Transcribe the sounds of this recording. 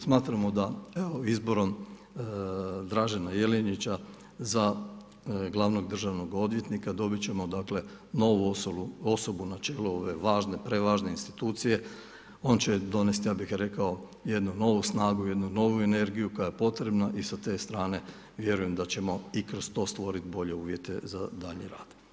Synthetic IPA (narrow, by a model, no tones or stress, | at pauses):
smaːt̪ɾamod̪ae̞ʋoizbo̞ɾo̞m | d̪ɾaːʒenaje̞leɲit͡ɕa | za | ɡlˠaʋno̞ɡd̪r̩ʒaʋno̞ɡo̞d̪ʋje̞t̪nikad̪o̞bit͡ɕe̞mo̞d̪akle̞ | noʋuuo̞so̞bunat͡ʃe̞ːluo̞ʋe̞ʋaːʒne̞pɾe̞ʋaːʒne̞inst̪i̥t̪uːt̪sije̞ | o̞nt͡ɕe̞d̪o̞nest̪jaːbixɾe̞kao̞ | je̞d̪nuno̞ʋusnaːɡuje̞d̪nuno̞ʋue̞ne̞ɾɡijuko̞jajepo̞t̪ɾe̞bnaʔisat̪e̞ːst̪ɾaːne̞ | ʋje̞ɾuje̞md̪at͡ɕe̞mo̞ikɾo̞st̪o̞ːst̪ʋo̞ɾit̪bo̞ʎe̞uːʋje̞t̪e̞zad̪aʎɲiɾa̰ːd̪̥